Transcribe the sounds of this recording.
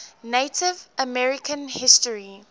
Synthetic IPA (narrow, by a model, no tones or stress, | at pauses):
neɪtʰɪvʔəmɛɹɪkʰə̃nhɪstəɹi